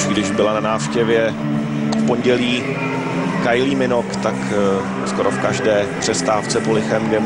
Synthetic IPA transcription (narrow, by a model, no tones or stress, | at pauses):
ɡdɪʒbɪlananaːfʃcɛvjɛ | fpo̞nɟɛliː | kajliːmɪnokt̪ak | skoɾo̞fkaʒdɛːpr̝̥ɛst̪aːft͡sɛpolɪxɛmɡdɛ